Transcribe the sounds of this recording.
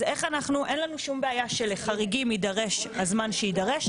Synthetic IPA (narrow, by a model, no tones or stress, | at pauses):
e̞χanaχnuʔenlanuʃumbeajaʃeleχaʁiɡimidaʁe̞ʃazmanʃeidaʁeʃ